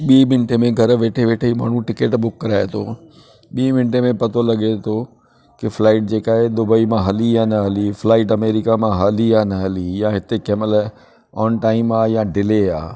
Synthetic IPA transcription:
ɓiːmɪnʈemẽɡʱɐɾʋeːʈʰeʋeːʈʰeima̰ːɳ̤ũʈɪkeːʈɓʊkːɐɾaːet̪ʰo̰ː | ɓiːmɪnʈemẽpɐt̪ʰolɐɠet̪ʰo | kɪflaːɪʈ̚d͡ʑeːkaːɦed̪ʊbəimãɦɐlijanɐɦɐliflaːɪʈɐmeːɾɪkamãɦaːliaːnɐɦɐlijãɦɪt̪ekɛːməl | ɔːnʈaːɪmaːjãɖɪleaː

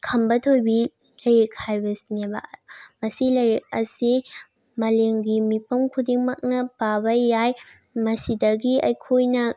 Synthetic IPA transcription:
kʰɐmbɐtʰojbi | lɐjɾek̚hajbɐsinebɐ̰mɐsilɐjɾik̚ɐ̰si | mɐleŋɡimipɐmkʰudiŋmɐk̚nɐpabɐjaj | mɐsidɐɡiɐjkʰojnɐ

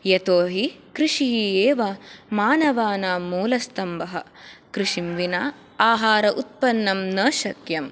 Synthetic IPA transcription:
jɐt̪oːɦikɾiʂiɦieːʋɐmaːnɐʋaːnaːmuːlɐst̪ɐmbɐɦɐ | kɾiʂimʋinaː | aːɦaːɾɐʔut̪̚pɐnːɐmnɐːʃɐkjɐm

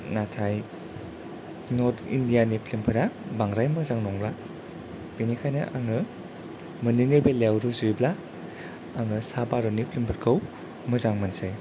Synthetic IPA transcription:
natʰaj | notʰḭndijanipʰlimpʰɯɾabaŋɾajmɯzaŋnɔŋbla | b̥inikʰajnɐ̰ʔaŋɯ | mɯninebelewɾuzujbla | aŋɯsabaɾɔnipʰlimpʰɯɾkʰɯw | mɯzaŋmansaj

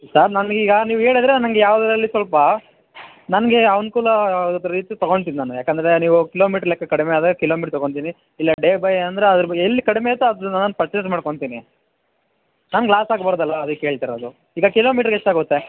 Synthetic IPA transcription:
sɐɾnɐnɡiːɡɐniːʋueːɽid̪ɾenɐnɡejaːʋɐd̪ɐɾɐlːisʋɐlpɐ | nɐnɐɡe̞ɐʋnkuːlɐot̪ːɾɐɾiːt̪ijut̪ɐɡo̞ɳɖt̪̬id̪inaːnujaːkɐnd̪ɐɾe̞niːʋukilo̞ːmiːʈɐɾljɐkːɐkɐɽimeaːd̪aːɡɐkiloːmiʈɾt̪ɐɡoɳt̪̬ini | ilːɐɖeːbɐjnɐnd̪ɾeɐd̪ɐɾelːikɐɽimeɐt̪ːuɐd̪unanːɐnpɐɾt͡ʃesʈmaːɖkoɳt̪iːni | naːnɡlaːsaːɡbɐɾɔd̪ɐlːʋɐɐd̪ɐkːeeːɭt̪iɾod̪u | iːɡɐkilo̞ːmiːʈɐɾɡeʂʈːaːɡot̪ːe

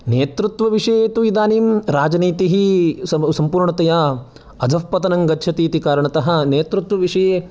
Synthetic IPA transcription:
neːt̪ɾut̪ʋɐʋiʂɐjet̪uʋid̪aːniːmɾaːd͡ʒɐniːt̪iɦisɐsɐmpuːɾɳɐt̪ɐjaː | ɐd̪ʱɐfpɐt̪ɐnɐŋɡɐtːʃʰɐt̪iːt̪ikaːɾɐɳɐt̪ɐɦɐ̆neːt̪ɾut̪ʋɐʋiʂɐjeː

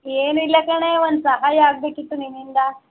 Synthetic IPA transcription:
jenilakaɳaʋansaɦajaɡd̪ekit̪ːunimind̪a

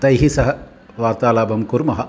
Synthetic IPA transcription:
t̪ɐjɦisɐɦɐ | ʋaːɾt̪aːlaːbʱɐmkuɾmɐɦɐ̆

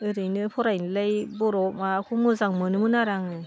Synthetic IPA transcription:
ɯɾɯjnɯpʰɔɾajnɯlajbɔɾɔmakʰumɯzaŋmɯnɯmɯnaɾaŋɯ

